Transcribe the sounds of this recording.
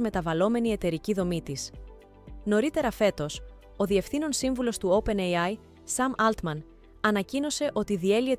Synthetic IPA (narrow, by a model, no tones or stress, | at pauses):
me̞t̪ɐvɐlo̞me̞nie̞t̪e̞ɾiciðo̞mit̪is | no̞ɾit̪e̞ɾɐfe̞t̪o̞s | o̞ðie̞fθino̞nsiɱvulo̞st̪uope̞nejɐj | sɐmɐlt̪mɐn | ɐnɐcino̞se̞ʔo̞t̪iðie̞liet̪